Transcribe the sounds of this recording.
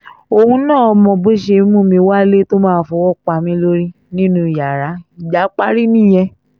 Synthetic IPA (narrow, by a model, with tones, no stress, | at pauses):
o˧hũ˧˦nãː˦˨ɔ˧mɔ̃˨bo˦ʃe˧˦mũ˦˨mĩ˧˦wa˦le˦to˦mãː˦˨˦fɔ˧˦wɔ˦k͡pa˧˨mĩ˧˦lo˦ɾi˦ | nĩ˦nũ˧˦i˨ja˨ɾa˨˦i˨d͡ʒa˨˦k͡pa˦ɾi˦nĩ˦˨j̃ɛ̃˧